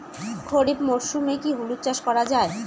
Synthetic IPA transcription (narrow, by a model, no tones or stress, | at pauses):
kʰoɾibmoɾʃumekiɦulut̪̚ːt͡ɕaʃkɔɾad͡ʑae